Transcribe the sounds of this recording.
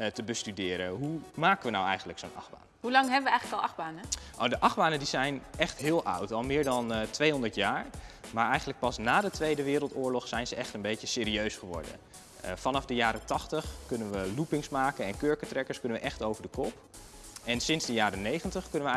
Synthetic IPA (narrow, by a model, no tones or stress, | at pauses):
təbəstydɪːɾəɦumaːkənʋənawɛjχən̩dləksownʔɑ̰χba̰ːnəɦulɑŋɦɛbəʋəɛjχələkɑlˠɑχbaːnəʔodəʔɑχbaːnəndizɛjnɛχtɦɪːlˠʔʌɑ̰wtɑlˠmɪːɹdɑntʋejɦɔndəɹtjaːɹmaːɹɛjχənlək̚pɑsnaːdətʋejdəʋɪːɾəlˠtʊːɹlɔχsɛjnzəʔɛχtəmbejcəsɪːɾiøɥsχəʋɔ̰ɹdə̰n | fɑnɑfdəjaːɾətɑχtəχkɵnənʋəlupɪŋsmaːkənɛnkøːɹkətrɛkəɹskɵnəʋəʔɛχtowvəɹdəkɔp | ɛnsɪnzdəjaːɾənejχəntəχkɵnəʋə